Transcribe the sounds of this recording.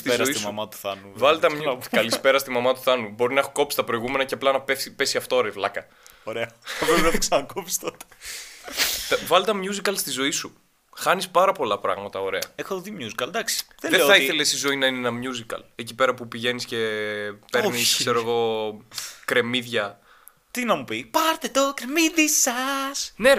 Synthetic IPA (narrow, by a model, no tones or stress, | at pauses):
sst̪izzosit̪isɐmɐt̪u̥θɐuvɐlt̪ɐmkɐlispe̞ɾɐst̪imɐmɐt̪u̥θɐnubo̞ɾinɐexoko̞psi̥t̪ɐpɾo̞iɣume̞nɐceɐplɐnɐpeipe̞siɐft̪oɾevlɐkɐ | oɾeɐɐpɾepinɐiksɐnɐkopi̥st̪ot̪e̥ | t̪ɐvɐlt̪ɐmjuzikɐlst̪izo̞isu | xɐnispɐɾɐpo̞lɐpɾɐ̰ɣmɐt̪ɐo̞ɾe̞ɐexoðimjuzikɐld̪ɐksi̥ðelðeeoɐiθθe̞lesizo̞inɐinenɐmjuzikɐ̰lecipe̞ɾɐpupiʝe̞nisce̞pe̞ɾniskse̞ɾoɣo̞ | kɾe̞miðʝɐ | t̪inɐmupipɐɾt̪et̪okɾemiðisɐsne̞